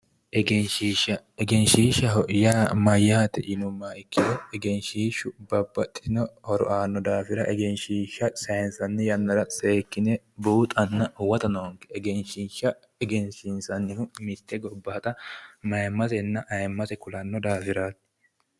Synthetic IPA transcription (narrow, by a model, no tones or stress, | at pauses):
ʔɛɡɛnʃiːʃɐɛɡɛnʃiːʃɐɦjaːmɐjːaːt̪ɛʔɪnʊmːaːɪkːɪd̪ɔɛɡɛnʃiːʃʊbɐbːɐt̪ʼːɪnɔhɔɾɔ̰ʔaːnːɔd̪aːfɪɾɐʔɛɡɛnʃiːʃːɐsɐjnsɐnːɪjɐnːɐɾɐseːkːɪnɛ | buːt̪ʼɐnːɐwɐt̪ɐnɐwɔŋkːɛ̥ɛɡɛnʃiʃːɐ | ɛɡɛnʃinsɐnːɪnʊmɪt̪ːɛɡɔbːɐːɐt̪ɐmɐjmːɐsɛnːɐʔɐjmːɐsɛkʊlɐnːɔd̪aːfɪɾaːt̪ː